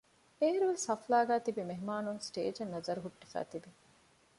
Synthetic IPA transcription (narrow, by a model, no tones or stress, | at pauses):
eːɾuʋeshɐflaːɡæːt̪ibimeɦmaːnuŋsʈḛːd͡ʒɐnːɐzɐɾuɦuʈːifæ̰ːt̪ibi